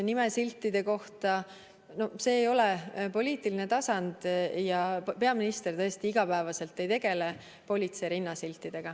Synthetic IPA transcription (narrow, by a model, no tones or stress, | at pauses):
nime̞silt̪ːˑid̪̥e̞ko̞ht̪ɑ | no̞se̞ːjo̞lepo̞lʲiːt̪iline̞t̪ɑsɑnd̪̥jɑpe̞ɑminist̪e̞rt̪ɤ̞e̞st̪iiɡ̥ɑpæevɑse̞lt̪ːˑe̞jt̪e̞ɡ̥e̞le̞ | po̞lʲit̪seɾinːɑsilʲt̪ːˑid̪̥e̞ɡ̥ɑ